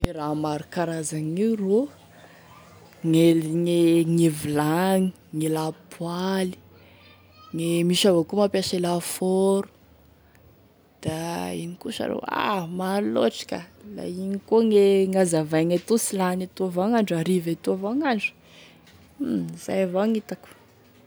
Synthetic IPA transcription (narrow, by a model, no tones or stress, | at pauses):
eɾamaɾukaɾazaŋiwro | ŋelŋeŋevilaŋi̥ | ŋelapʰwali̥ | ŋemiʃavakumapjaʃelafoɾu̥ | d̪̥aḭnikuʃa̰ɾo̰wa̰maloʈ͡ʂi̥kʲa̰la̰inikoŋeŋazavajŋat̪usilanat̪uavaŋaɳɖ͡ʐaɾivat̪uavoŋaɳɖ͡ʐu̥ | za̰javaŋit̪aku̥